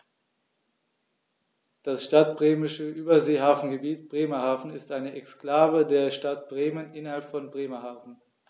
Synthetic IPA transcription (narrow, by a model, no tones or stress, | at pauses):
d̥asʃtat̚b̥ʁeːmɪʃəʔyːbɐzeːɦaːfn̩ɡəbiːtb̥ʁeːmɐhaːfn̩ɪstʔaɪnəʔɛksklaːvədeːɐʃtat̚b̥ʁeːmənʔɪnɐhalpfɔnbʁeːmɐhaːfn̩